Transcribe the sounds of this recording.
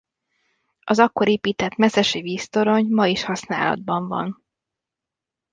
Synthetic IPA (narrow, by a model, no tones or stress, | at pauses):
ɒzɒkːo̞ɾeːpiːt̪ɛt̪mɛsɛʃeviːst̪o̞ɾo̞ɲmɒiʃhɒsna̰ːlɒ̰d̪̚bɒɱvɒ̰n